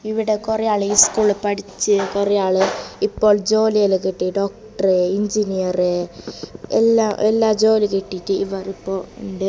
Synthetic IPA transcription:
iʋiɽe̞kurɐjaːɭiːskuːɭpɐɽit͡ɕːɨkurɐjaːɭɨipːo̞ːɭd͡ʑo̞ːlijɐlek̬iʈːiɖo̞ːk̚ʈɐreiɲd͡ʑinijɐre | elːaːʔelːaːd͡ʑo̞ːlikiʈːiʈːɨiʋɐripːo̞ːuɳɖe

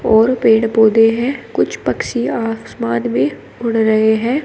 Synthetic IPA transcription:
ɔːɾpeːɽpoːd̪eɦɛ̃ːkʊt͡ʃʰpɐkʃiaːfsmaːd̪mẽ | ʊɽɾɐɦeɦɛ̃ː

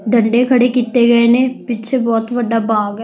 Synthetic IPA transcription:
ɖɐ̃ɳɖekʰɐɽekiːt̪ːeɡɐenẽpɪt͡ʃʰebɔːt̪bɐɖabaːɡ

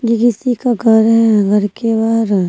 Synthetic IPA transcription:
jekɪsikaɡʱɐɾɦɛɛɡʱɐɾkebaːɾ

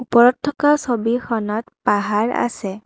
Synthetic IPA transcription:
upɔɹɔtʰːɔkasobixɔnɔtpaɦaɹa̰sɛ

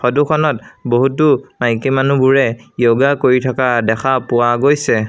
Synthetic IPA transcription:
xɔdukʰɔnɔtboɦutʊmajkimanubuɹɛjoɡakoɹitʰakadɛxʰapʊwaɡojsɛ

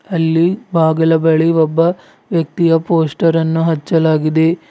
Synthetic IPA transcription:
ɐlːibʱaːɡɐlɐbɐɭiʋɔbːɐ | ʋjɐk̚t̪ijɐpoːsʈɐɾɐnːuɦɐt͡ʃːɐlaːɡid̪e̞

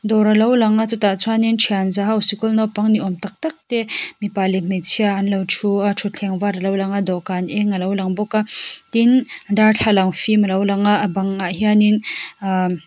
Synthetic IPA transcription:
d̪ɔɾalɐwlɐŋat͡sutat͡sʰuanintʰianzaɦawsikulnɔwpaŋniʔɔmt̪ak̚t̪ak̚t̪ɛmipalim̥et͡sʰiaʔːnlɐwt͡sʰuʈ͡ʂʰut͡ɬʰɛŋvaɾalɐwlaŋad̪ɔkanʔɛŋalɐwlaŋbɔkat̪indaɾt͡ɬʰalaŋfimɐlɐwlaŋaʔbaŋaɦianin

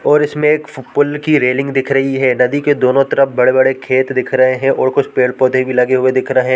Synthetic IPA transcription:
ɔːɾɪsmẽeːkpʊlkiɾeːlɪ̃ŋɡd̪ɪkʰɾɐɦiɦɛːnɐd̪iked̪oːnõt̪ɾɐp̚bɐɽebɐɽekʰeːt̪d̪ɪkʰɾɐɦeɦɛ̃ʔɔːɾkʊt͡ʃʰpeːɽpoːd̪ʱebʱilɐɡeɦʊed̪ɪkʰɾɐɦɛ̃ː

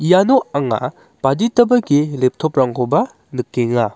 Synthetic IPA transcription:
ijanoaŋa̰ | b̥aditɐbɐɡilep̚tʰopɾaŋkʰobɐ | nɯkːeŋa

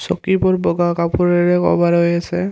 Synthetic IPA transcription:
sɔkibɔɹbɔɡakapuɹɛɹɛkɔ̰baɹojasɛ

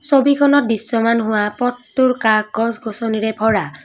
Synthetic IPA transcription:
sobikʰɔnɔt̚disːɔmanɦʊwapɔtːuɹkak̚ɡɔsɡɔsɔniɹɛbʱɔɹa

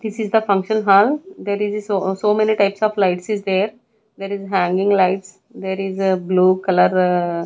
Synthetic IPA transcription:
d̪ɪsɪzd̪əfʌ̃ŋkʃə̃nɦaːld̪eːɾɪzsosoːmeniʈaɪpsɔːʋlaɪʈsɪzd̪eːɾ | d̪eːɾizɦæ̃ŋɡɪ̃ŋɡlaɪʈs | d̪eːɾɪzbluːkɐləɾ

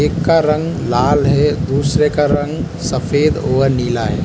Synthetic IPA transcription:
eːkːaɾə̃ŋɡlaːlɦɛd̪uːsɾekaɾə̃ŋɡ | səfʰeːd̪oːəɾniːlaɦɛ̰ː

